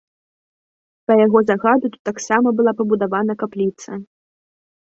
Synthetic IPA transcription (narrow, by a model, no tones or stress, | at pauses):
pɐjaɣɔzaɣad̪ut̪ut̪ːaksamɐbɨlˠapɐbud̪avanɐkaplʲit̪sɐ